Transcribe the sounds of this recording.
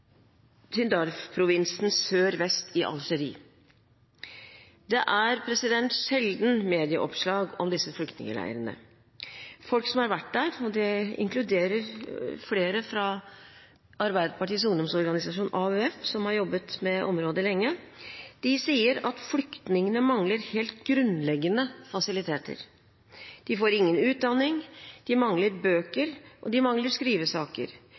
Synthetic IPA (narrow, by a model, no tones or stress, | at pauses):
t̪ʰʏnd̪ɑɾfpʰɾʊʋɪnsn̩søːɾʋɛst̪ʰɪʔɑ̰lʂəɾḭː | d̪ɛʔæɾpʰɾɛsɪd̪ɛnt̪ʂɛld̪n̩meːd̪ɪə̰ʔɔpʂɭɑːɡɔmd̪ɪsːəflʏkt̪nɪ̰ŋə̰læ̰ɪə̰ɾənə̰ | fɔlksɔmhɑɾʋæʈ̚ːd̪æɾɔd̪ɛɪ̰ŋklʉd̪eːɾəɾfleːɾəfɾɑ | ɑɾbæɪd̪əpɑʈiːs̬ʊŋd̪ɔmsɔɾɡɑnɪsɑʂuːnʔɑøɛfsɔmhɑɾjɔbːət̪mɛʔɔmɾoːd̪əlɛŋːəd̪̥ɪsiːəɾɑt̪flʏkt̪nɪŋənəmɑŋləɾheːlt̪ɡɾʉnlɛɡːənəfɑsɪlɪt̪ʰeːt̪ʰə̰ɾ | d̪̥ɪfoːɾɪŋːənʉːt̪̚d̪ɑnːɪŋd̪̥ɪmɑŋləɾbøːkəɾʔɔd̪ɪmɑŋləɾskɾiːʋəsɑːkə̰ɾ